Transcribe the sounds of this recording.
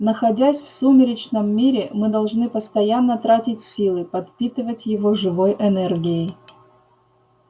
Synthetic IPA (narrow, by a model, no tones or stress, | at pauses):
nəxɐdʲæsʲfsumʲɪɾʲɪt͡ɕnəmːʲiɾʲɪmɨd̪ɐlˠʐnɨpəst̪ɐjanːət̪ɾatʲɪtʲsʲilˠɨpɐt̪pʲit̪ɨvətʲjɪvoʐɨvo̞jʔɛnɛrɡʲɪɪ